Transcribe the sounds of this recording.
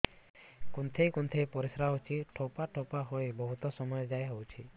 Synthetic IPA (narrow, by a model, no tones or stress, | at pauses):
kunt̪ʰejkunt̪ʰejpɔɾisɾaɦwt͡ʃʰiʈʰopaʈʰopaɦojbɔɦut̪ɔsɔmɔjɔd͡ʒajɦowt͡ʃʰi